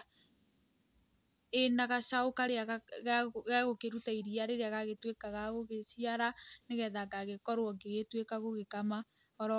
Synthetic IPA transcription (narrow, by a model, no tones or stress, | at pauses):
enaɣaʃaokaɾeaɣɣɛɣokeɾutaiɾiaɾeɾeaɣaɣetwekaɣaɣoɣeʃiaɾaneɣɛðaɡaɣekɔɾwɔɡeɣetwekaɣoɣekama | ɔɾɔ